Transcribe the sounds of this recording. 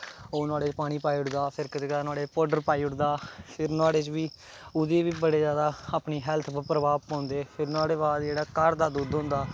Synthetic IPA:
oːnaːɽeːpaːɽ̃iːpaːiːʊʈd̪aːpʰɪɾkɪt̪eːk̪aːnʊaːɽeːpɔːɖəɾpaːiːʊʈd̪aːpʰɪɾnaːɽeːt͡ʃʋiː | ʊd̪eːʋiːbəɽeːzjaːd̪aːaːpniːɦɛːlt̪ʰpɾəbaːpãːnd̪eːpʰɪɾnaːɽeːbaːd̪d͡ʒeːɽaːkəɾd̪aːd̪uːd̪ɦʊ̃ːnd̪aː

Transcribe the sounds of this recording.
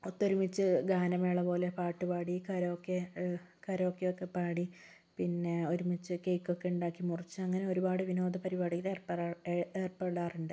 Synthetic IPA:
ot̪ːo̞ɾumit͡ɕːɨɡaːnɐmeːɭɐpo̞ːle̞paːʈːɨpaːɽikɐɾookːe | kɐɾokːjeokːe̞paːɽi | pinːe̞o̞ɾumit͡ɕːɨkejkːokːe̞uɳɖaːkːimurit͡ɕːɨɐŋːɐne̞o̞ɾubaːɽɨʋino̞ːd̪ɐpɐɾibaːɽikːɐlerpːeːrpeɽaːriɳɖɨ

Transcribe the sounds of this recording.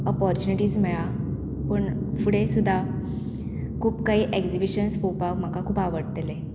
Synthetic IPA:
ɔpɔɾt͡ɕuniʈiːd͡zmɛɭa | pəɳfuɽesud̪ʱːa | kʰuːpkaɦiːʔekd͡zibiɕənspowpakm̤əkakʰuːpaʋəɽt̪ele

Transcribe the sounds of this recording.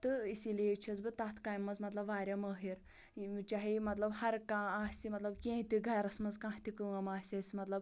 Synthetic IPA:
t̪ɨisileːt͡ʃʰizbɨt̪ɐːt̪ʰkaːjmːɐzmɐt̪lɐbʋaːɾʲɐməːɦiɾ | t͡ʃaːɦimɐt̪lɐbhɐɾkãːaːsʲimɐt̪lɐbkʲẽːt̪iɡʱɐjɾɐsmɐzkãːt̪ikɨɐmaːsʲɐsʲimɐt̪lɐb

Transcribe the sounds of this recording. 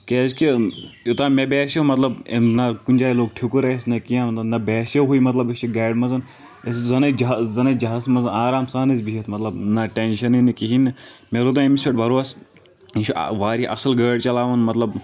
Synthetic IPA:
keːzkijot̪aːmebeːsomɐt̪lɐbenɐkunʲd͡ʒaːiloːɡ̚ʈʰikuɾɐesnɐkijãːmɐt̪ɐnɐbɛːseɦuimɐt̪lɐbit͡ʃʰiɡaːɖmɐzɐn | eszɐnɐd͡ʒɐzɐnɐd͡ʒɐɦaːsmɐzɐnaːɾaːmsaːnɐzbiɦet̪ʰmɐt̪lɐbnɐʈenʃɐninɐkiɦinmelod̪ɐ̃emisʲeʈbʱɐɾoɐs | inʃʰṵʋaːɾiʔɐslɡəːɽt͡ʃɐlaːʋɐnmɐt̪lɐb

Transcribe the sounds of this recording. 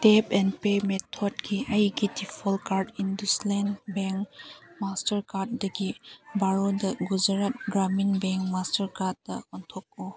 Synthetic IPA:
tepɛndpemetʰɔdɡiʔajɡitipʰɔlkaɾdinduslɛnbɛŋmastɐɾkaɾt̚dɐɡibaɾodɐɡuzaɾat̚ɡɾaminbɛŋkmastɐɾkat̚dɐɔntʰɔk̚o

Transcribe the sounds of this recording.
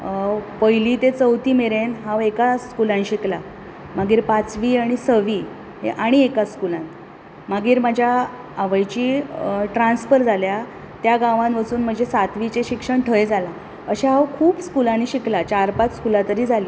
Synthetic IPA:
pəjliːt̪et͡səwt̪iːmeɾenɦawekaskulaniɕikla | maɡiːɾpat͡sʋiːaɽ̃isəʋiː | ɦḛʔaɽ̃iekaskulãn | maɡiːɾmad͡ʑʱjaː | ʋəjt͡ɕiːʈɾansfəɾd͡zʱalja | t̪jaɡaʋanʋət͡suːnm̤əɳd͡ʑesat̪ʋit͡ɕeɕikʂəɳʈʰəjd͡zʱala | əɕaɦawkʰuːbskulaniːɕiklat͡ɕaɾpat͡sskulat̪əɾiːd͡zʱaliː

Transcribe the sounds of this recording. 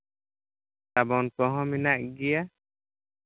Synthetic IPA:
t̪abɔnkɔɦɔ̃minaʔ̚ɡija

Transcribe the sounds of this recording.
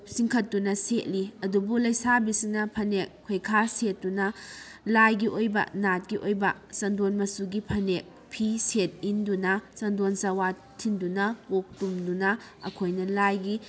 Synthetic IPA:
siŋkʰɐtːunɐset̚liɐdubulɐjsabisinɐpʰɐnek̚ʰːojkʰaset̚ːunɐlajɡiʔojbɐ̰nat̚ɡiʔojbɐsɐndonmɐsuɡipʰɐnek̚ | pʰiset̚indunɐsɐndonsɐwa | tʰːindunɐpok̚tumdunɐ | ɐ̰kʰojnɐlajɡi

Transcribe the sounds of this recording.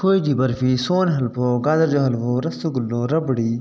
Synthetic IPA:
kʰoːidibɐɾfisoːnɦɐlpoɡaːd̪ɐɾd͡ʒoɦɐlɦoɾɐst̪oɡulnoɾɐbɽi

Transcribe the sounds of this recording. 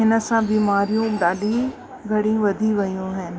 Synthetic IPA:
ɦɪnə̆sãbiːmaːɾijũɗaːli | ɡʱɐɽijũʋɐd̪ʱiʋɐjũɦɪnɪ̆

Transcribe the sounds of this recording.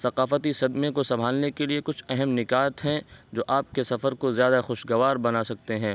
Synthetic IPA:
sɐqaːfət̪isɐd̪mẽkosɐbʱaːlnekeliekʊt͡ʃʰɛɦɛmnɪkaːət̪ɦɛ̃d͡ʒoːʔaːp̚kesɐfəɾkozjaːd̪axʊʃɡɐʋaːɾbɐnaːsɐk̚t̪eɦɛ̃ː

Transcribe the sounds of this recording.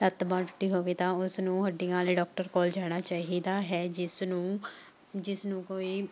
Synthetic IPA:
t̪ət̪bãːʈʈːiːɦoːʋeːt̪ãːʊsnũːɦəɖɪjãːleːɖɔːk̚ʈəɾkɔːld͡ʒaːɽ̃aːt͡ʃaːɦiːd̪aːɦɛːd͡ʒɪsnũː | d͡ʒɪsnũːkoːiː

